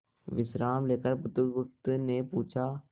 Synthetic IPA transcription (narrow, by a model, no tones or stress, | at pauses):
ʋɪʃɾaːmleːkəɾpʊt̪ʊkbʊk̚t̪nepuːt͡ʃʰaː